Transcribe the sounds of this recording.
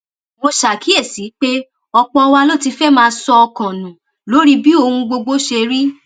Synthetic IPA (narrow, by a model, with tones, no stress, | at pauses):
mo˧ʃa˨kʰi˨˦e˦˨si˨˦k͡pe˦ | ɔ˧k͡pɔ̃˧wa˧lo˦ti˧fɛ˦mãː˦˧sɔ˧ɔ˧kã˨nũ˨ | lo˨˦ɾi˦bi˦o˦˧hũ˧ɡ͡bo˧ɡ͡bo˦ʃe˧ɾi˦